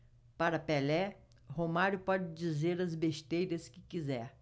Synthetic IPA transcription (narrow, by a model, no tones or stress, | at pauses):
paɾɐpelɛ | homaɾjʊpɔd͡ʒɪd͡ʒizeɾɐzbeʃt̪ejɾɐskɪ̥kizɛɾ